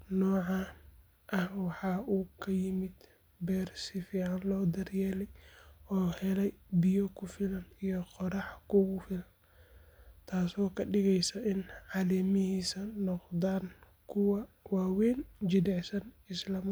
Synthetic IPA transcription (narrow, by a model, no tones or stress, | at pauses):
nɔːʕɑ | ʔɐhwɑħɑːʔuːkʰɐjɪmɪd̪ | bɛːrsɪfiːʕɑnlɔːd̪ɐrjɛːlɛjɔːhɛlɛjbɪjɔkʰʊfɪlɐnijɔqɔɾɑħkʰʊɣʊfɪlɐn | t̪ʰaːsɔːkʰɐɖɪɣɛjsɐʔɪnʕɑːlɛːmɪɦiːsɐnɔqd̪aːn | kʰʊwɐ | waːwɛːnd͡ʒɪd̪ɛʕsɐnɪslɐm